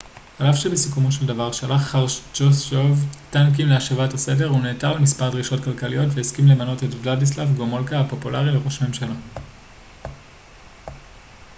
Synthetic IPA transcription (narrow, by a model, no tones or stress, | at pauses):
alafʃebesikumoʃeldavaʁʃalaχaʁt͡ʃosovtank̬imleaʃevatasede̞ʁuneːtalmispaʁdʁiʃo̞tkalkalijo̞tveiskimlemano̞tetvladis̬lavɡomolkaapo̞pulaʁileʁo̞ʃame̞mʃala